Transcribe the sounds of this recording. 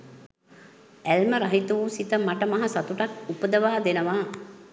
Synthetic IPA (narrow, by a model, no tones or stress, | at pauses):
ælməɾɐɦit̪uusit̪əmaʈəmɐɦɐsat̪uʈakupəd̪əʋaːd̪enəʋaː